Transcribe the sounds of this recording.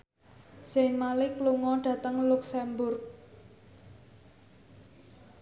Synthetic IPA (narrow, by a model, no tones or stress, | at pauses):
sɪŋmalɪkluŋɔɖ̥ä̤t̪əŋluksɛmbʊrk̚